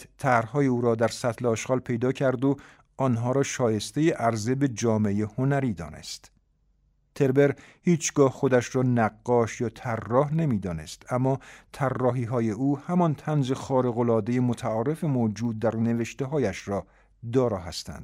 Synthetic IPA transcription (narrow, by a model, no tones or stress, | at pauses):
t̪ʰæhɾhɒːjeuːɾɒːd̪æɾsæt̪ʰleɒːʃʁɒːlpʰe̞jd̪ɒːcʰæɾd̪o | ɒːnɦɒːɾɒːʃɒːje̞st̪e̞jeʔæɾze̞be̞d͡ʒɒːmejehonæɾiːd̪ɒ̰ːne̞̰st̪ | t̪ʰe̞ɾbeɾhiːt͡ʃʰɡɒːhχo̞d̪æʃrɒːnæɡːɒːʃjɒːt̪ʰærːɒːhne̞miːd̪ɒːnest̪æmːɒːt̪ʰærːɒːɦiːɦɒːje̞uːhæmɒnt̪ʰænze̞xɒːɾe̞ɣolɒːd̪ejemot̪ʰæɒːɾe̞fe̞mod͡ʒuːd̪̚ːæɾne̞veʃt̪eɦɒːjæʃrɒː | d̪ɒːɾɒːɦæst̪æ̰nd̪